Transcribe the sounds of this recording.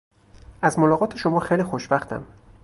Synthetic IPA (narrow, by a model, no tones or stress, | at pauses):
ʔæzmolɒːɣɒːt̪ʰeʃomɒːxejliːxoʃb̥æxt̪ʰæ̰m